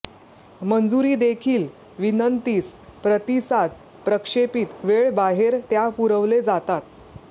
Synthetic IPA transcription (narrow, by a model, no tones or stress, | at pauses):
mənd͡zuɾiːd̪ekʰiːl | ʋinənt̪ispɾət̪isad̪̚ | pɾəkʂepiːt̪ʋeɭbaɦeɾt̪japuɾəʋled͡zat̪at̪